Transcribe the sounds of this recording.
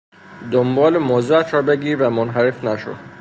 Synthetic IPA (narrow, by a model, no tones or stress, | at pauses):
d̪ombɒːlemozæt̪ʰɾɒːbe̞ɡiːɾvæmonɦæɾefnæʃo̰